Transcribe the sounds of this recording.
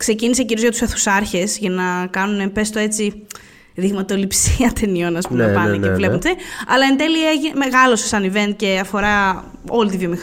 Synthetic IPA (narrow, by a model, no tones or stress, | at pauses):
kse̞cinise̞ciɾiozʝɐt̪u̥seθu̥sɐɾçe̞sʝɐnɐkɐnune̞pe̞st̪o̞e̞t͡si | ðiɣmɐt̪o̞lipsiɐt̪ʰenio̞nɐspuepɐneevle̞unt̪iɐlɐend̪e̞liɐeʝineme̞ɣɐlo̞sesɐnive̞nt̪̚ce̞ɐfo̞ɾɐ | o̞lit̪ivjo̞mix